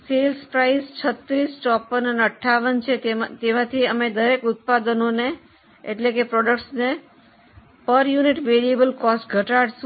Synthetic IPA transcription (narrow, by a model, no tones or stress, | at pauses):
selspɾaist͡ʃʰət̪ɾisʈɔpːənəneəʈʰːaʋənt͡ʃʰet̪emãt̪ʰiəmed̪əɾekʊt̪̚pad̪ənone | eʈlekepɾɔɖəkʈsne | pəɾjuniʈʋeɾiebəlkɔsʈɡʱəʈaɽs